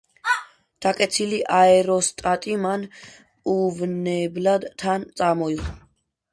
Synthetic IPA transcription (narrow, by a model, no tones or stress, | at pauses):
d̪̥akʼɛt̪sʰiliʔaɛɾɔst̪ʼat̪ʼiman | uvnɛblad̪t̪ʰant̪sʼamɔiχ